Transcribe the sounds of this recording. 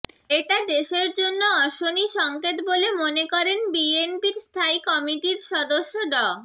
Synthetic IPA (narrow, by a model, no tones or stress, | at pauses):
eʈad̪eʃeɾd͡ʑonːoɔʃoniʃɔŋket̪bolemonekɔɾenbienpiɾst̪ʰaikɔmiʈiɾʃɔd̪oʃːoɖɔ